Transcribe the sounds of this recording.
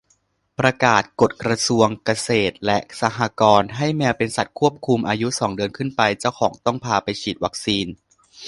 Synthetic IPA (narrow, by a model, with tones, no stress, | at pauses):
pɾa˧kaː˨˩t̪̚ko˨˩t̪̚kɾa˧su˧əŋka˧seː˨˩t̪̚lɛ˦˥ʔsa˧ɦaː˧kɔː˧nɦa˥˩jmɛː˧wpe˧nsa˨˩t̪̚kʰu˥˩əp̚kʰu˧mʔaː˧ju˦˥sɔː˩˦ŋdɯ˧ənkʰɯ˥˩npa˧jt͡ɕa˥˩wkʰɔː˩˦ŋt̪ɔ˥˩ŋpʰaː˧pa˧jt͡ɕʰiː˨˩t̪̚wa˦˥k̚siː˧n